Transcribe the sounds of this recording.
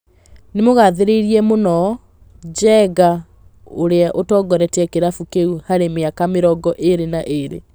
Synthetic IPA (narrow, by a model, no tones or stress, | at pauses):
nemoɣaðeɾeiɾiɛmonɔ | d͡ʑɛɡa | oɾeaʔotɔːɡɔɾɛtɛkeɾafukeuhaɾemeakameɾɔɡɔʔeɾenaʔeɾḛ